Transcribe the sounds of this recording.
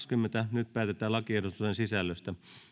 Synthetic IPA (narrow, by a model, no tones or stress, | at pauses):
skymːent̪ænyt̪̚pæːt̪et̪ˑæːlɑkierot̪usensisælːøst̪æ